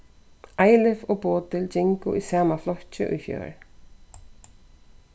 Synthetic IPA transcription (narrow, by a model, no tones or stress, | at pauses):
ʔaːjlɪvɔpoːt̪ɪlt͡ɕɪŋkʊʔisaːmaflɔht͡ɕɪ̰ʔʊ̰jçjœ̰ːɹ